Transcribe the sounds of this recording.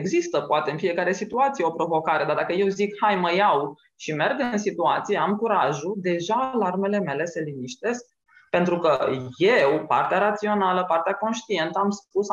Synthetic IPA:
eɡzist̪əpoat̪e̞ɨnfijekaɾe̞sit̪uat̪sije̞opɾo̞vo̞kaɾe̞d̪arɾd̪akəje̞wzikhajməjaw | ʃime̞rɡɨnsit̪uat̪sije̞amkuɾaʒud̪e̞ʒaːlarme̞le̞me̞le̞səlimiʃt̪e̞sk̚ | pe̞nt̪ɾukəje̞wpa̰rt̪eaɾat̪sio̞naləpart̪eako̞nʃt̪ie̞nt̪əamspus

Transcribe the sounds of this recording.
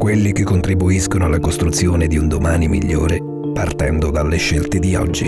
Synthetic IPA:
kwelːik̟ekːont̪ɾibuiskonoalːakost̪ɾut̪sːjoːned̪iund̪omaːnimḭʎːoːɾe | part̪ɛnd̪od̪alːeʃːelt̪ed̪iɔ̰d͡ʒːi

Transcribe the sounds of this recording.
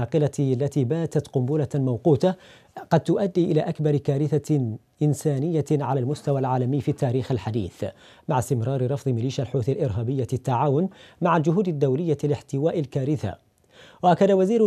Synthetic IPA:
ɑːqɨlalːat̪iːbaːt̪at̪qʊmbuːlamawquːt̪a | qɑd̪̚t̪ʊʔad̪ːiːʔɪlaːʔakbɑɾˤkaːɾɪθa | ʔɪnsaːnɪjːaʕalaːlmʊst̪awalʕaːlamɪjfiːt̪ːaːɾiːxalħad̪ḭːθ | maʕast̪ɪmɾˤɑːɾɪɾˤɑfðˤɨmɪliːʃalħuːθalʔɪɾɦaːbɪjːat̪ːaʕaːwʊnmaʕald͡ʒʊɦuːd̪ad̪ːawlɪjːalɪħt̪ɪwaːʔɪlkaːɾɪθa̰ | waʔakːad̪awaziːɾ

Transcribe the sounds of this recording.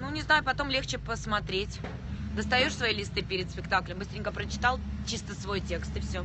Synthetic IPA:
nunʲɪznajʊpɐt̪o̞mlʲext͡ɕɪpəsmɐt̪ɾʲetʲ | d̪əst̪ɐjoʂsvɐilʲɪst̪ɨpʲɪɾʲɪt̪spʲɪk̚t̪aklʲɪmbɨsʲt̪ɾʲɪ̃ŋʲkəpɾət͡ɕɪ̥t̪alˠt͡ɕist̪əsvo̞jtʲe̞kst̪ɨfsʲɵ

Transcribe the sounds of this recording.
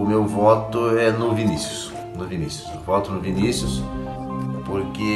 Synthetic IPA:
ʊmewvɔt̪ʊɛnʊvinisjʊ̥s | nʊvinisjʊsvɔt̪ʊnʊvinisjʊs | poɾkɪ

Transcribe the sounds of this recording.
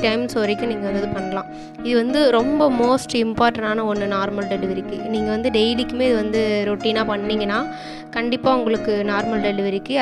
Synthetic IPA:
ʈɐɪmsɔːɾɐɪkːʊ̃niːŋɡɐɐnd̪ɐðɯpɐnːɐlãː | ɪðɯʋɐnd̪ɯɾɔmbɐmoːsʈɪmpaːɾʈɐ̃ɳaːnɐɔnːɯnaːɾmɐlɖɛlɯʋɪɾɪkːɯniːŋɡɐʋɐnd̪ɯɖɛɪlikːɯmeːɪðɯʋɐnd̪ɯɾoːʈːiːnaːpɐɳːiːŋɡɐnːaː | kɐɳɖɪpːaːʊŋɡɐɭɯkːɯnaːɾmɐlɖɛlɯʋɪɾɪkːɯ

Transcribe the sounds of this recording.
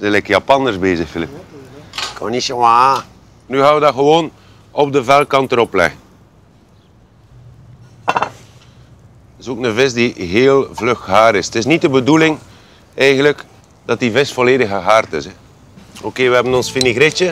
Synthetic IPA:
zɛlɛkəjɑpɑnərzbeːzəxfɪlɪp̚ | ko̰nisəwa | nyɣaːnʋədɑɣəʋoːn | ɔb̚dəvɛlˠkɑntəɾɔplɛ̰ɣən | tɪsoːknəvɪs̬diɦeːlˠvlɵxɦaːɾɪstɪsnit̚dəbədulɪŋ | ɛjɣənlək | d̥ɑtivɪstfoleːdəxəɦaːrtɪsɛ | okeːʋəɦɛbənɔnsfiniɣɾɪt͡ʃə

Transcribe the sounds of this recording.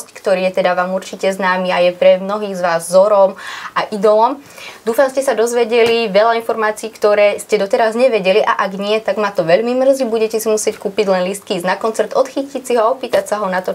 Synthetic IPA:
sckt̪ɔɾiːjɛt̪ɛd̪aʋaːmuɾt͡ʃicɛznaːmiajɛpɾɛmnɔɦiːɣzʋaːzzɔɾɔmʔaʔid̪ɔlɔmd̪uːfamscɛsad̪ɔzʋɛɟɛliʋɛʎainfɔɾmaːt͡siːkt̪ɔɾɛːscɛd̪ɔt̪ɛɾazɲɛʋɛɟɛliʔa̰ʔaɡɲɪɛt̪aɡmat̪ɔʋɛʎmimr̩zibuɟɛcɛsimusɪɛckuːpiɟlɛnlist̪̚kiiznakɔnt͡sɛɾt̪ɔt̪xicicsiɦɔaɔpiːt̪acsaɦɔnat̪ɔ

